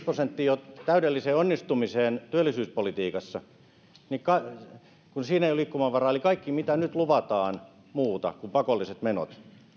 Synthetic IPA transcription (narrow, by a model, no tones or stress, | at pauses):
prosent̪ːiːot̪æydelːiseːonːist̪umiseːnt̪yølːˑisyːspolit̪iːkɑsːɑ | nikɑ | kunsiːneiulikːumɑʋʋɑrɑelikɑikːimit̪ænyt̪luʋɑt̪ɑːn | muːt̪ɑ̰kumpɑkolːiset̪meno̰t̪